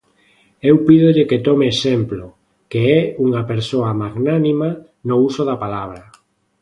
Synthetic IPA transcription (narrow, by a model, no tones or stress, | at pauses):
ewpiðoʎeket̪ɔmeːsemplo | keɛuŋapeɾsoɐmaɣnanima | nousoðapalaβ̞ɾɐ